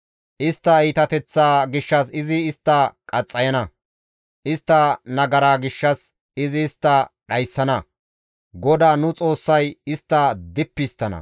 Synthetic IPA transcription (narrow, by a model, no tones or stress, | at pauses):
ʔɪst̪ːɐiːt̪ɐt̪ɛt͡sːaːɡɪʃːɐs̬ɪzɪːst̪ːɐkʼɐt͡sʼːɐjɐnɐ | ʔɪst̪ːɐnɐɡɐɾaːɡɪʃːɐs | ɪzɪːst̪ːɐɗɐjsːɐnɐ | ɡɔd̪aːnʊt͡sʼo̞ːsːɐjɪst̪ːɐd̪ɪpːɪst̪ːɐnɐ̰